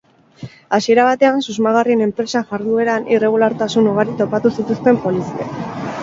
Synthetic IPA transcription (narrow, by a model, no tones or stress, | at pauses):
asie̞ɾaβ̞at̪e̞ansuzmaɣ̞arie̞ne̞mpɾe̞saʝaɾðue̞ɾanire̞ɣ̞ulaɾt̪asunuɣ̞aɾit̪o̞pat̪usit̪ust̪e̞mpo̞lisia̰